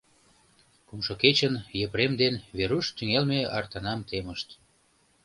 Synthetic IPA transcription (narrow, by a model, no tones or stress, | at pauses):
kumʃoket͡ɕənjəpɾemd̪enβeɾuʃt̪yŋelmeɑ̰rt̪ɑnɑmt̪eməʃt̪